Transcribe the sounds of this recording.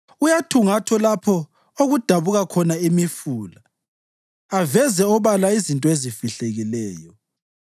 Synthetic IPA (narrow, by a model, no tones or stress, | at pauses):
ujatʰuŋatʰɔlapʰɔ | oɣud̥ʱaβuɣakʰɔnaimifuːla | avɛzɛɔβalaizintʼɔezifiɬeɣilɛːjɔ